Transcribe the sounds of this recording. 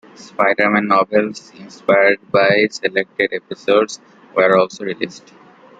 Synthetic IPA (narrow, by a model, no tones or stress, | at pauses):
spaɪɖəɾmæ̃nːɔːbelsɪ̃nspaɪəɾɖ̚baɪselek̚ʈeɖepisoːɖs | ʋəɾɔːlsoːɾiliːsʈ